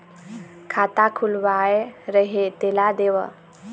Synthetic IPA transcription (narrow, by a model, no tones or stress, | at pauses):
kʰat̪akʰulwaeɾəɦet̪elad̪ewə̰